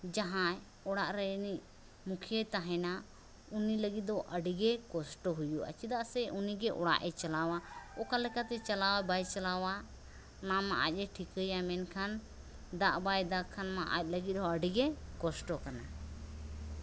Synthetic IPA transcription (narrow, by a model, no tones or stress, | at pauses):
d͡ʒaɦã | ɔɽaʔɾɛni | mukʰijət̪aɦɛ̃na | uniləɡit̪̚d̪ɔʔəɖiɡɛkɔsʈɔɦujuə̰t͡ʃid̪aʔsɛʔuniɡɛʔɔɽa̰ʔɛt͡ʃalawaɔkalɛkat̪ɛt͡ʃalawabajt͡ʃalawa | namaʔa̰c̚ˀɛʈʰikəjamɛnkʰan | d̪aʔbajd̪akʰːanmãʔa̰c̚ˀləɡit̪̚ɔəɖiɡɛkɔsʈɔkana